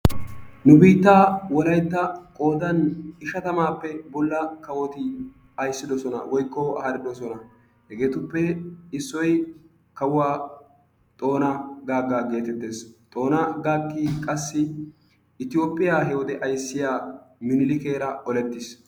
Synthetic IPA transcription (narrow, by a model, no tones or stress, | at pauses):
nʊbiːt̪ːaːwɔlɐjt̪ːɐkʼo̞ːd̪ɐnɪʃɐt̪ɐmaːpːɛbɔlːɐkɐwɔt̪ɪ | ɐjsːɪd̪ɔsɔnɐ̰wɔjkːɔɐ̰hɐɾɪd̪ɔsɔnɐ | hɛɡe̞ːt̪ʊpːɛɪsːɔj | kɐwʊwaː | t̪ʼo̞ːnɐɡaːɡːaːɡe̞ːt̪ɛt̪ːe̞ːst̪ʼo̞ːnɐɡaːkːikʼɐsːɪ | ɪt̪ɪjo̞ːpʼːɪjaːɦɛwɔd̪ɛʔɐjsːɪjaːmɪnɪlɪke̞ːɾɐʔɔlɛt̪ːɪs